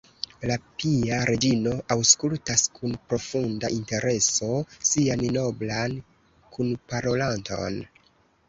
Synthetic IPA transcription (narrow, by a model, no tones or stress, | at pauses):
lapiaɾʔe̞d͡ʒino̞ʔawskultaskʰunpɾo̞fundaʔinte̞ɾʔe̞so̞sianno̞blan | kʰunpaɾo̞lanto̞̰n